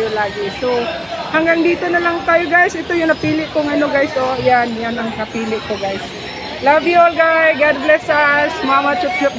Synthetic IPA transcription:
jolaːɡɪso | haŋɡaŋd̪iːt̪onɐlaŋt̪aːjoɡajsʔɪt̪ojʊnɐpiːlɪʔkoŋɐnoɡajsʔojanjanaŋnɐpiːlɪʔkoɡajs | laviolɡajɡad̪̚ɡlɛsasmamat͡ʃʊp̚t͡ʃʊp̚

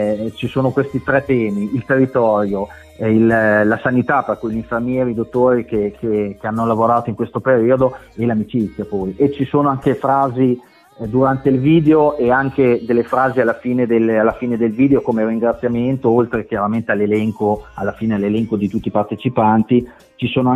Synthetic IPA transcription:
t͡ʃisoːnokwest̪it̪ɾɛt̪ːɛːmiilt̪erːit̪ɔɾjo | illasanit̪aperkujʎiɱfermjɛːɾiːd̪ot̪ːoːɾikekʰekeanːolavoɾaːt̪oiŋkwest̪opeɾiːod̪o | elamit͡ʃit̪sːjapɔːjet͡ʃːisoːnoaŋkefɾaːzi | d̪uɾant̪eilviːd̪eoʔeaŋked̪elːefɾaːzialːafiːned̪elalːafiːned̪elviːd̪eokomeriŋɡɾat̪sjament̪oolt̪ɾek̟jaɾament̪ealːelɛŋkoalːafiːnealːelɛŋkod̪it̪ut̪ːipart̪et͡ʃipant̪i | t͡ʃisoːnoa

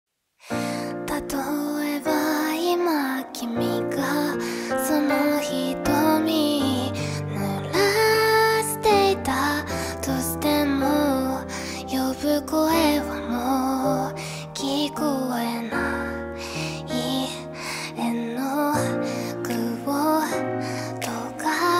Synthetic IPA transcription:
t̪at̪oebaimakʲimʲika | sonoçit̪omʲi | nɯɾa | ɕi̥t̪e̞it̪a | t̪oɕi̥t̪emo | jobɯ̟koeβamo | kʲʰikoena | i | enːo | kɯ̟bo | t̪oka

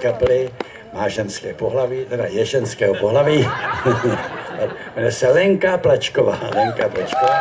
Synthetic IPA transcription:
kaplɪ | maːʒɛnskɛːpoɦlaviːt̪ɛdajɛʒɛnskɛːɦopoɦlaviː | vɛnɛsɛlɛŋkaplat͡ʃkova̰ːlɛŋkaplat͡ʃkovaː

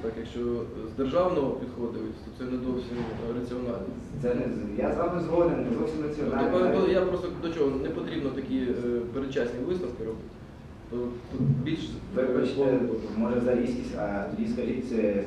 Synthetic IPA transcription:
t̪ɑkjɐkʃt͡ʃɔzd̪erʒɑwnɔɦɔpʲid̪xɔd̪ɪjʊtʲt̪ɔsɛnɛd̪ɔwsʲimɾɐt͡sʲiɔnɑlʲnʲɔ̰ | t̪sɛnɛjazʋamɛzɦɔd̪ɪmnɛd̪ɔwsʲimrɐt͡sʲiɔnalnɔjapɾɔst̪ɔd̪ɔt͡ʃɔɦɔnɛpɔt̪ɾʲibnɔt̪ɐkʲipeɾet͡ʃasʲnʲiʋɪsk̪ɐfkʲɪɾɔbɪtʲ | t̪ɔbʲilʲʃʋɪpɐt͡ʃt̪ɛmɔʒɛzɐɾʲisʲkʲisʲɐ̰t̪ɔdʲiskɐʒit̪̚ʲsɛ

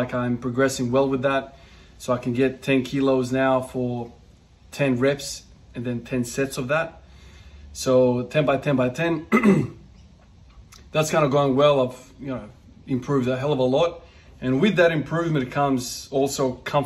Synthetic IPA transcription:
aɪkãɪ̃mpʰɹ̥ɑɡɹɛsɪ̃ŋwɛlˠwɨðæt̚ | soʊaɪkʰɨ̃n̩ɡɛtʰɛ̃nkʰilˠoʊznaʊfə˞ | tʰɛ̃nɹɛps | ɨ̃nðɨ̃ntʰɛ̃nsɛtsʌvðæt̚ | soʊtʰɛ̃nbaɪtʰɛ̃nbaɪtʰɛ̃n | ðætskʰãɪ̃ndəɡoʊɪ̃ŋwɛlˠaɪv̥jɨnoʊ | ɨ̃mpʰɹ̥ʉvdɨɦɛlˠʌvəlɔɾ | ɨ̃nwɪðɨɾɨ̃mpʰɹ̥ʉvmɨ̃ñ̩tɨt̚kʰʌ̃mz̥ɔlˠsoʊkʰʌ̃ɱ

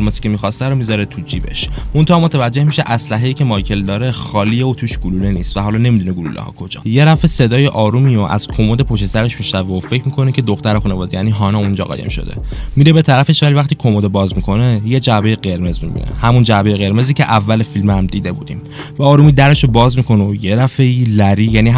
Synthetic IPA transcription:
lmezi̥cʰe̞miːxɒst̪æɾomizɒɾet̪ʰud͡ʒiːbe̞̰ʃmo̞nt̪ʰeɒmo̞t̪ʰævæd͡ʒːe̞hmiʃeʔæslæɦejiːcʰemɒjcʰe̞ld̪ɒːɾexɒːlijeot̪ʰuːʃɡululeniːst̪væɦɒːlɒne̞mid̪uneɡulṵlḛhɒ̰kʰo̞d͡ʒɒ̰je̞ɾæfe̞se̞d̪ɒːjeʔɒːɾumioʔæ̰z̥kʰo̞mod̪epʰoʃt̪esæɾe̞ʃmiʃnæveofe̞cʰmikʰo̞necʰe̞d̪oxt̪æɾexunevɒːd̪ejæniːɦɒːnɛund͡ʒɒ̰ɣɒ̰ːjemʃo̞̰d̪e̞̰miɾe̞be̞t̪ʰæɾæfe̞ʃvælivæxt̪iːkʰo̞mod̪ebɒːzmikʰo̞neje̞d͡ʒæbe̞jeɢe̞ɾme̞zmḭbḭnḛhæmund͡ʒæbe̞jeɣe̞ɾme̞ziːcʰe̞ʔævːælefilmæmd̪iːd̪e̞buːd̪ḭm | bæɒːɾuːmiːd̪æɾe̞ʃobɒːzmikʰo̞nojeɾæfe̞ilæɾiːjæniɦ

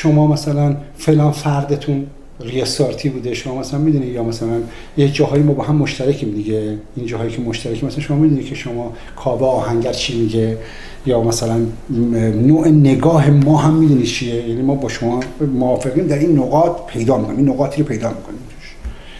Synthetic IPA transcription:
ʃomɒːmæsælænfelɒːnfæɾd̪et̪ʰun | ɾiesoɾt̪ʰiːbuːd̪eʃomɒːmæslænmiːd̪uːnijɒːmæsælæn | jed͡ʒɒːhɒːjimɒːbɒːɦæmːoʃt̪ʰæɾækʰiːmd̪iɡeind͡ʒɒːɦɒːjikʰemoʃt̪æɾækʰiːmæsælænʃo̞mɒːmid̪unit̪cʰe̞ʃomɒː | kʰɒːbeɒːhæŋɟæɾt͡ʃʰiːmiɡe | jɒːmæsælæn | noːʔene̞ɡɒːɦe̞mɒːɦæmːid̪uːnid̪t͡ʃʰiejæːnimɒːbɒːʃomɒːmoɒːfeɣiːmd̪æɾinːoɣɒːt̪pʰe̞jd̪ɒːmikʰoniminoɣɒːt̪ʰiːɾopʰe̞jd̪ɒːmikʰonimt̪ʰu̥ʃ

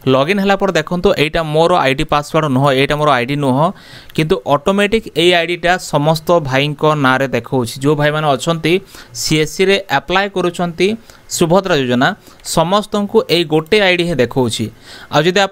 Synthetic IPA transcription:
lɔɡinɦelapɔɾɔd̪ekʰɔnt̪uʔejʈamoɾɔʔa̰jɖipasbaɽɔnɔɦɔejʈamoɾɔajɖinɔɦɔ | kint̪uʔɔʈomeʈikejajɖiʈasɔmɔst̪ɔbʱaiŋkɔnaɾed̪ekʰɔwt͡ʃʰid͡ʒewbʱajmaneɔt͡ʃʰɔnt̪isiesiɾeʔaplajkɔɾut͡ʃʰɔnt̪isubʱɔt̪ɾad͡ʒod͡ʒɔna | sɔmɔst̪ɔŋkuʔejɡoʈeajɖiɦed̪ekʰɔwt͡ʃʰia̰d͡ʒɔd̪ia

